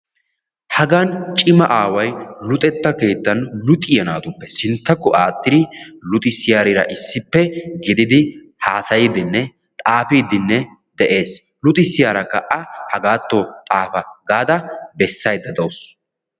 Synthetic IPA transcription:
hɐɡɐnt͡ʃʼɪmɐʔaːwɐjlʊt̪ʼɛt̪ːɐke̞ːt̪ːɐnlʊt̪ʼɪjɐnaːd̪ʊpːɛsɪnt̪ːɐkːɔʔaːt̪ʼːɪd̪ɪlʊt̪ʼɪsɪjaːɾɪɾɐ̰ʔɪsːɪpːɛɡɪd̪ɪd̪ɪ | haːsɐjɪd̪ɪnːɛ | t̪ʼaːfiːd̪ɪnːɛ | d̪ɛʔe̞ːs | lʊt̪ʼɪsɪjaːɾɐkːɐʔɐhɐɡaːt̪ːot̪ʼaːfɐɡaːd̪ɐbɛsːɐjd̪ɐd̪ɐws

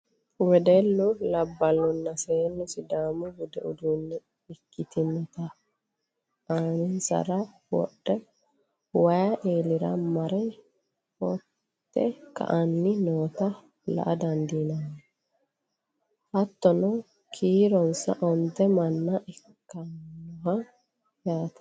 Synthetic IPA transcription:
wɛd̪ɛlːʊlɐbːɐlːɔnːɐseːnːʊsɪd̪aːmʊɡʊd̪ɛʊ̰d̪unːɛ | ɪkːɪt̪ɪmɔt̪ɐ | anɪnsɐ̰ɾɐ | wɔ̰ɗːɛ | wɐjɐʔeːlɪɾɐmɐɾɛ | hɔ̰tt̪ːɛkɐ̰ʔɐnːɪnoːt̪ɐ | lɐ̰ʔɐd̪ɐnd̪iːnɐnːɛ | hɐt̪ːɔnɔ | kʰiːɾɔnsɐ̰ʔɔnt̪ːɛmɐnːɐʔɛkːɐnːɔɦɐ | jaːt̪ɐ̥

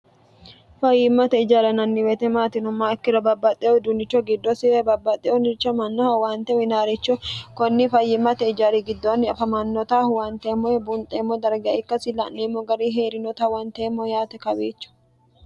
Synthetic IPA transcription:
fɐjːɪmːɐt̪ɛɪd͡ʒaːɾɐnɐnːɪwɛt̪ɛmaːt̪ɪnʊmːaɪkːɪɾɐbɐbːɐt̪ʼːɛʔɔd̪ʊnɪt͡ʃːɔɡɪd̪ːɔsɪɛbɐbːɐt̪ʼːɛʔɔnɪt͡ʃːɐmɐnːɔhɐwaːnt̪ɛwɪnaːɾɛt͡ʃːɔkɔnːɪfɐjːɪmːɐt̪ɛɪd͡ʒaːɾiɡɪd̪ːonːɪɐfɐmɐnːɔt̪ahwant̪eːmːɔɛbʊnt̪ʼeːmːɔd̪ɐɾɡɪɐɪkːɐsɪlɐ̰ʔnːeːmːɔɡɐɾiːɦeːɾɪnɔt̪awɐnt̪eːmːɔjaːt̪ɛkɐbeːt͡ʃːʊ̥

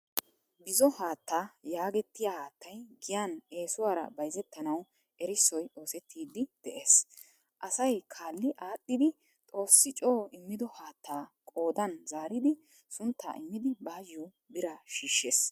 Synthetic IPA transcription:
bɪzɔhaːt̪ːaːjaːɡɛt̪ːɪjahaːt̪ʰːɐjɡɪjane̞ːsʊwaːɾɐ̰bɐjzɛt̪ːɐnɐw | ʔɛɾɪsːɔjo̞ːsɛt̪ʰːiːd̪ɪd̪̥ɛʔe̞ːs | ʔɐsɐjkʰaːlːɪʔaːt̪ʼːɪd̪ɪ | t̪ʼo̞ːsːɪt͡ʃʼo̞ːɪmːɪd̪ɔhaːt̪ːaːkʼoːd̪ɐnzaːɾɪd̪ɪ | sʊnt̪ʰːa̰ːʔɪmːɪd̪ɪbaːjːʊ | bɪɾɐʃiːʃːeːs

